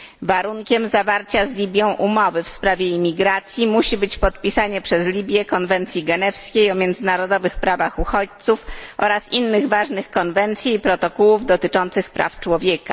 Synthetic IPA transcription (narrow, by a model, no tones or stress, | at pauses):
vaɾuŋkʲɛmzavaɾt͡ɕazlʲibʲjɔ̃w̃ʔumɔvɘfspɾavʲjɛimʲiɡɾat̪sʲjimuɕibɘt͡ɕpɔt̪̚pʲisaɲɛpʂɛzlʲibʲjɛkɔnvɛnt̪sʲjiɡɛnɛfskʲejɔmʲjɛnd̪zɘnaɾɔd̪ɔvɘxpɾavaxuxɔt͡ɕt̪sufʔɔ̰ɾasinːɘɣvaʐnɘxkɔnvɛnt̪sʲjiːpɾɔt̪ɔkuwuvd̪ɔt̪ɘt͡ʂɔnt̪sɘxpɾa̰ft͡ʂwɔvʲjɛka̰